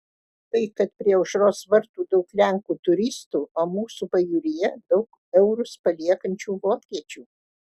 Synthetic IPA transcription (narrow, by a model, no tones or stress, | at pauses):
t̪ɐɪkɐt̪pʲɾʲiɛʊʃɾoːsʋɐɾt̪uːd̪ɐʊklʲæŋkuːt̪ʊɾʲɪst̪uːoːmuːsupɐjuːɾʲɪjɛd̪ɐʊk | ɛʊɾʊspɐlʲiɛkɐnʲt͡ʃʲuːʋoːkʲiɛt͡ʃʲuː